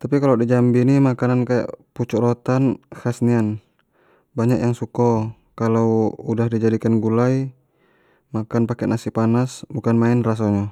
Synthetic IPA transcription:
t̪apikalawdid͡ʒambinimakanankaja̰ʔput͡ʃuɾɔt̪anhasnian | baɲakjaŋsukɔ | kalawudahdid͡ʒadikanɡulaj | makanpakɛnʔasipanasbukanmaɛnras̬ɔɲa

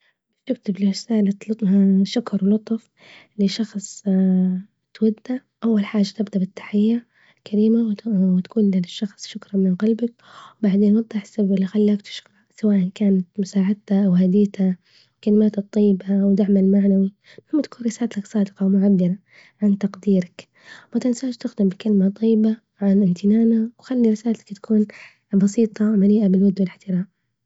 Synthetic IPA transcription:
t̪ɪk̚t̪ɪblrɪsaːlat̪lʊt̪ˤhaʃʊkɾˤwlʊt̪ˤf | lɪʃɑxsˤ | t̪wad̪ːaʔawːalħaːʒat̪ɪbd̪abɪt̪ːḁħɪjːa | kaɾiːmawwɪt̪ḁkuːnlɪʃːɑxsˤʃʊkɾˤɑnmɪnqɑlbak | wbaʕd̪eːnwɑd̪ˤːɑħɪ̥sːababɪlːixalːaːkt̪ɪ̥ʃɾˤɑʔsawaːʔankaːnat̪mʊsaːʕɪd̪̚t̪aʔawhad̪iːt̪a | wkalɪmaːt̪ɨt̪ˤːɑjːɪbawd̪aʕmalmaʕnawi | ʊmːat̪ḁkuːnɾɪsaːlat̪aksˤɑːd̪ɪqɑwmʊʕabːɪɾˤɑ | ʕant̪ɑqd̪iːɾak | mat̪ɪnsaːʃt̪ɪxd̪ɪmbɪkalɪmat̪ˤʰɑjːɪba | ʕanʔɪmt̪ʰɪnaːnawxalːiɾɪsaːlt̪ḁkt̪ḁkʰuːn | bɑsiːt̪ˤɑmaliːʔabɪlwʊd̪wɪlɪħt̪ɪɾaːm

